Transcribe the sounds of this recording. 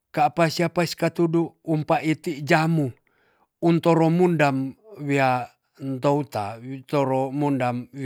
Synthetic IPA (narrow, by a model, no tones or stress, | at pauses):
kapasiapaskat̪uduːmpaʔit̪id͡ʒamu | unt̪ɔɾɔmundamwia | nt̪out̪at̪ɔɾɔmundamw